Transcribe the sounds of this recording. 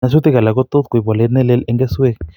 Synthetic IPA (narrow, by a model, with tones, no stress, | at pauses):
a˧s̬u˦t̪i˦ka˨la˨ko˦t̪o˦t̪kʷi˨bwa˨le˦t̪ne˦le˦le˦ŋɡe˦swe˦k